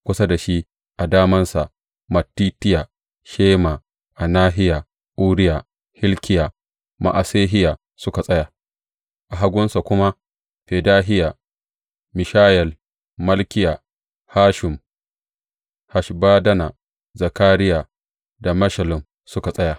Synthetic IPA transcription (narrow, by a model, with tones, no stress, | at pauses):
kʷʊ˦sa˦da˨ʃi˦ | ʔa˨daː˦mɐ˦nsa˨ʔ | mɐ˨tːiː˦tɪ˦ja˨ | ʃeː˦ma˨ | ʔa˨naː˦ɦɪ˦ja˨ | ʔuː˦ɽɪ˦ja˨ | hɪ˦lkʲɪ˦ja˨ | ma̰˨ʔa˨seː˦ɦɪ˦ja˨ | sʊ˦ka˨sʼɐ˦ja˨ | ʔa˨ɦa˦ɡʷʊ˦nsa˨kʷʊ˦ma˦ | ɸeː˨daː˦ɦɪ˦ja˨ | mɪ˨ʃaː˦jɛ˨l | mɐ˦lkʲɪ˦ja˨ | haː˦ʃɪ˨m | ha˨ʃbaː˦dɐ˦na˨ | za˨kaː˦ɾɪ˦ja˨ | da˨mɐ˦ʃɐ˨lɪ˨m | sʊ˦ka˨sʼɐ˦ja˨